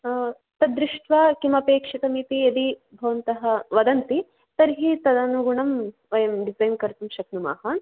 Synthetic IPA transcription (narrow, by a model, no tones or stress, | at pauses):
t̪ɐd̪ɾiʂʈʋaːkimɐpeːkʂit̪ɐmit̪iɐd̪ibʱɐʋɐnt̪ɐɦɐʋɐd̪ɐnt̪i | t̪ɐɾɦit̪ɐd̪ɐnuɡuɳɐm | ʋɐjɐmɖizɐjnkɐɾt̪umʃɐknuma̰ːhaːn